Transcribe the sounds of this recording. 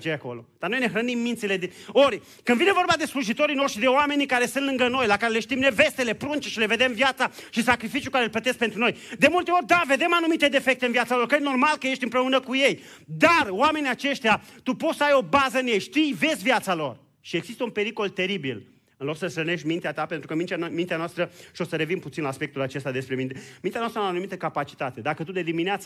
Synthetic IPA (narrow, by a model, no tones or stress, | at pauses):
t͡ʃejako̞̰lo̞̰d̪̥arnojneɦɾənimːint̪sile̞d̪ioɾʲ | kɨnd̪vine̞vo̞rbad̪e̞sluʒit̪o̞ɾinoʃʃid̪e̞oame̞nikaɾest̪ɨnt̪lɨŋɡəno̞jlakaɾele̞ʃt̪imne̞ve̞st̪e̞le̞pɾunt͡ʃeʃile̞ve̞d̪e̞mvjat̪saʃisakɾifit͡ʃjukaɾelplət̪e̞skpe̞nt̪ɾuno̞jd̪emult̪e̞o̞ɾʲd̪ave̞d̪e̞manumit̪e̞d̪e̞fe̞k̚t̪eɨnvjat̪salo̞rkəd̪no̞rmalkəjeʃt̪ʲɨmpɾe̞unəkuje̞j | d̪aroame̞niat͡ʃe̞ʃt̪eat̪upot̪səajo̞bazəɨnjejʃt̪ijve̞zʲvjat̪salo̞r | ʃie̞ɡzist̪əunpe̞ɾiko̞lt̪e̞ɾibil | ɨnlo̞ksəsɾəne̞ʃt̪̚ʲmint̪eat̪ape̞nt̪ɾukəmint̪emint̪eanoast̪ɾəʃio̞səɾe̞vinput̪sinlaːspekt̪ulat͡ʃe̞st̪ad̪e̞spɾe̞mint̪emint̪eanast̪ɾənaanumit̪əkapat͡ʃi̥t̪at̪e̞d̪akət̪ud̪e̞d̪imineat̪sə